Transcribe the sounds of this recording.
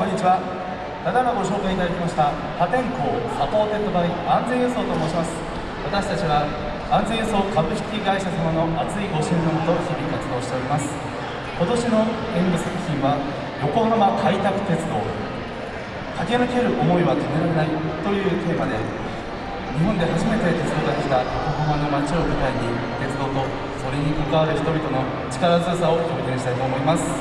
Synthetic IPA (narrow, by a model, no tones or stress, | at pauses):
õɲːit͡ɕiβa | t̪ad̪anoɡo̞ɕo̞ːkait̪ad̪akʲimaɕi̥t̪a | pat̪ẽ̞ŋkoːsapo̞ːt̪e̞t̪ːobaɾʲiãnd͡zẽ̞ɰ̃eso̞ːt̪oːmo̞ːɕimasɨ̥ | βat̪aɕi̥t̪at͡ɕiβa | ãnd͡zẽ̞eso̞ːkabɯ̟ɕi̥kʲiɡaiɕasamano̞ʔat͡sɨiɡo̞ɕĩnd̪omot̪o̞saɾʲikat͡sɨd̪o̞ːɕi̥t̪e̞oɾʲimasɨ̥ | ko̞t̪o̞ɕino̞ | ẽmbɯsakɯ̟̥çʲĩɰ̃βa | jo̞ko̞habakʰait̪akɯ̟̥t̪e̞t͡sɨd̪o̞ː | kake̞nɯke̞ɾɯ̟ʔo̞mo̞iβat̪ʰome̞ɾaɾe̞nait̪o̞jɯ̟ːt̪e̞ːmad̪e̞ | ɲ̟iɦõ̞nd̪e̞ɦaʑime̞t̪e̞t̪e̞t͡sɨd̪o̞ːt̪ak̪ekʲi̥t̪ajokoɦɯɦãnːo̞mat͡ɕio̞mi̟t̪aiɲ̟it̪e̞t͡sɨd̪o̞ːt̪o̞ | so̞ɾe̞ɲ̟ikokaβaɾɯ̟çi̥t̪o̞bʲit̪o̞no̞ | t͡ɕi̥kaɾazɨasao̞koɡẽɕi̥t̪ait̪o̞ːmo̞imasɨ̥